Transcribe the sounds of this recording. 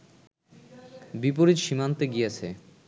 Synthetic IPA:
bipoɾid͡ʑʃimant̪eɡijet͡ɕʰe

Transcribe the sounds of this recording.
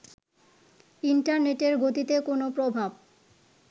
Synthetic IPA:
iɳʈaɾneʈeɾɡot̪it̪ekonopɾobʱab

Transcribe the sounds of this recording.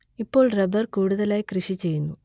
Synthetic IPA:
ipːo̞ːɭrɐbɐrkuːɽuðɐlaːjikrɨʂit͡ɕe̞jːunːu

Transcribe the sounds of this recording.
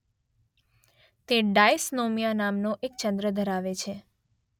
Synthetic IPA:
t̪eɖajsnomijanamnoʔek̚t͡ʃənd̪ɾəd̪ʱəɾaʋet͡ʃʰe

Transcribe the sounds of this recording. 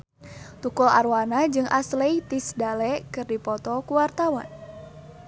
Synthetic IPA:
t̪ukula̰rwanad͡ʒɨŋʔaslejt̪isdalɛkɨrdipɔt̪ɔkuwart̪awa̰n

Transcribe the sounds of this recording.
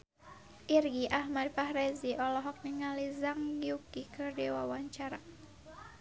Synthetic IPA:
ʔirɡiʔaɦmad̚pahɾɛziʔɔlɔɦɔk̚niŋalizaŋɡiukikərdiwawaɲt͡ʃaɾa

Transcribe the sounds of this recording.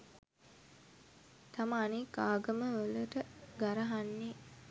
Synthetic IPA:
t̪aməːnikaːɡəməʋələʈəɡaɾəɦanːe

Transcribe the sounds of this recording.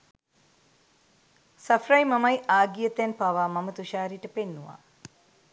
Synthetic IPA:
sɐfrajmamajaːɡijət̪janpaʋaːmɐmət̪uʃaːɾiʈəpenːuʋa̰

